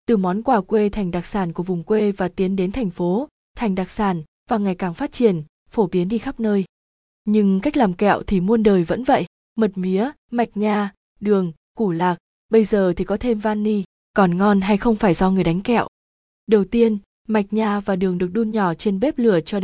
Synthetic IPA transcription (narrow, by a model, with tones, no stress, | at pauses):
t̪ɨ˨˩mɔ˨˦nkwaː˧˩kwe˧t̪ʰɛ˨˩ŋ̟ɗa˨˩k̚saː˧˩nku˧˩əvʊ˨˩ŋ͡mkwe˧vaː˨˩t̪i˨˦ənɗe˨˦nt̪ʰɛ˨˩jŋ̟fo˨˦ | t̪ʰa˨˩jŋ̟ɗaː˨˩k̚saː˧˩n | v̥aː˨˩ŋa˨˩jkaː˧˩ŋfaː˦˥t̚t͡ɕi˧˩ən | fo˧˩ɓi˨˦ənɗi˧xa˦˥p̚nəː˧j | ɲɨ˧ŋka˦˥k̟̚laː˨˩mkɛ̰˧˨wt̪ʰi˨˩mu˧ənɗəː˨˩jvə̰˧˥nvə̰˧˨jʔ | mə˨˩t̚mi˨˦ə | ma˨˩jk̟̚ɲaː˧ | ɗɨ˨˩əŋ | ku˧˩laː˨˩k̚ | ɓə˧jzəː˨˩t̪ʰi˨˩kɔ˨˦t̪ʰe˧mvaː˧nːi˧ | kɔ˨˩nŋɔ˧nɦa˧jxə˧wŋ͡mfaː˧˩jzɔ˧ŋɨ˨˩əjɗa˨˦jŋ̟kɛ̰˧˨wʔ | ɗə˨˩wt̪i˧ən | ma˨˩jk̟̚ɲaː˧vaː˨˩ɗɨ˨˩əŋɗɨ˨˩ək̚ɗu˧nɲɔ˧˩t͡ɕe˧nɓe˦˥p̚lɨ˧˩ət͡ɕɔ˧